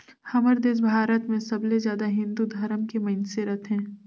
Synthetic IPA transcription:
hɐməɾd̪eːs̬bʱaːɾət̪mẽsɐblezjaːd̪aɦɪ̃nd̪ud̪ʱɐɾəmkemɐnseɾət̪ɦɛ̃ː

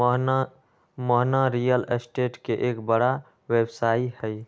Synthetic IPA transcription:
məɦnaɾijəlesʈeʈkeʔekbəɽa | websaihəj

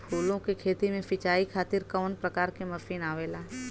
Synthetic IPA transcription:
pʰuːlõkekʰeːt̪imẽpɪt͡ʃaːikʰaːt̪ɪɾkəʋənpɾəkaːɾkemɐfiːnaːʋeːlaː

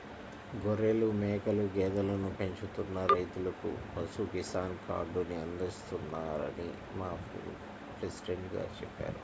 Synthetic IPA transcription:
ɡoɾelumɛːkɐluɡɛːd̪ɐlɐnupe̞ɲt͡ʃut̪unːɐɾɐjt̪ulɐkṵbɐsuɡisaːnka̰ːɖuniɐnd̪ist̪unːaːɾɐ̰nḭ | maːpḭn | pɾesi̥ɖeɳʈɡa̰ːt͡ʃɛpːa̰ːɾu

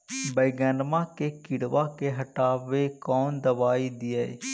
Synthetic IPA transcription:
bəjɡənmãːkeːkɪɽʋaːkeːɦəʈaːʋeːkɔːnd̪əbaːiːd̪ɪaḛː

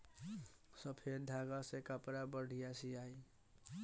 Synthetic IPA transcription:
səpʰeɾd̪ʱaɡasekəpɾabəɽ̤ijasiai

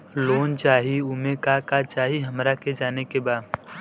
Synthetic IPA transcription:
loːnt͡ʃaːɦiʊmẽkakat͡ʃaːɦiɦɐmɾaked͡ʒaːnekebaːd̪

